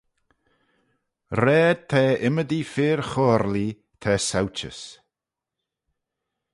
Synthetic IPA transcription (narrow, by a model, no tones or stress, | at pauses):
ɾɛːd̪̚t̪ʰɛːɪməd̪ifɪːɹxɔːɾli | t̪ʰɛːsawt͡ʃə̰s